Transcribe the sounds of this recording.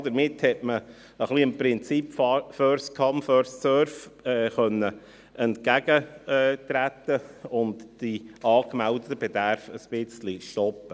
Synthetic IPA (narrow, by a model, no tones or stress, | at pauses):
d̪əɾmɪthɛtmə | əχliəmpɾɪnt͡sipffœɾskʰɑmfœɾssœɾfɛːχœnːə | ɛntkæɡ̥əɛːt̪ɾæt̪ːəʊndd̥iɑːkmældətəb̥ɛdæɾfəsb̥ɪt͡sliʃtɔpːə